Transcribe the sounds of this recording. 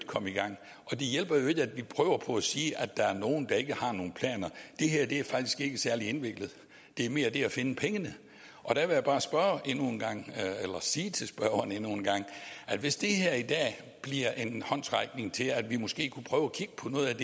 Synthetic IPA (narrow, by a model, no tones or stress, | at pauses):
d̥kʰɒ̽miɡ̥ɑ̈ŋ̰ | ʔɒ̽d̥e̝jel̰b̥ɐjo̝e̝ɡ̥əæd̥ʋipʰʁœːʊɐpʰɒ̽æsiːʔæd̥ɑ̈æɐno̝ːn̩d̥ɑ̈e̝ɡ̥əhɑ̈no̝ːn̩pʰlɛ̰ːnɐd̥e̝ɦæɐ̰d̥e̝æɐfɑ̈ɡ̥̚d̥i̥sɡ̥e̝ɡ̥əsæɐlie̝nʋe̝ɡ̥lð̞̩ˠ | d̥e̝æɐme̝ːɐd̥e̝æfe̝nəpʰeŋənə | ʔɒ̽d̥æʋe̝jab̥ɑ̈ːsb̥ɶɐʔe̝nun̩ɡ̥ɑ̈ŋ̰elɐsiːt͡sʰe̝lsb̥ɶɐɐnenuːn̩ɡ̥ɑ̈ŋ̰ʔæd̥ʋe̝sd̥e̝ɦæɐ̰id̥ɛ̰ː | b̥liɐ̰ʔe̝nhɒ̽n̰sʁɑ̈ɪɡ̥ne̝ŋt͡sʰe̝læd̥ʋimɔ̽sɡ̥e̝̰ːkʰupʰʁœːʊækʰiɡ̥ə̥pʰɒ̽nɔ̽ːð̩ˠæd̥e